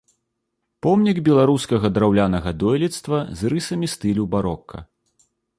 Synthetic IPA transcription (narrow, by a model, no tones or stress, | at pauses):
pɔmnʲiɡbʲɛlˠaɾuskɐɣɐd̪ɾawlʲanɐɣɐd̪ɔjlʲit̪st̪vɐzrɨsɐmʲist̪ɨlʲubaɾɔkʰːɐ̰